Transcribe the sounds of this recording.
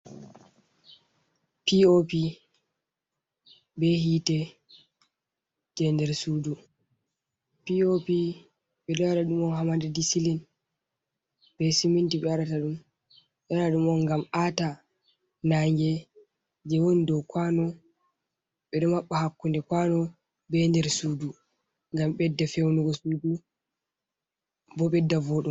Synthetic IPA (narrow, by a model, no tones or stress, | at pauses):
piopi | bɛhitɛ | d͡ʒɛndɛɾsudu | piopi | ɓɛɗɔaɾaɗumɔnhamadɛdisilin | b̥ɛsimintiɓɛaɾataɗum | ɓɛaɾaɗumɔnɡamata | naŋɡɛ | d͡ʒɛwonidɔkwanɔ | ɓɛɗɔmaɓːahakːundɛkwanɔ | bɛndɛɾsudu | ŋɡamɓɛdːafewnuɡɔsuːdu | bɔɓɛdːavɔɗum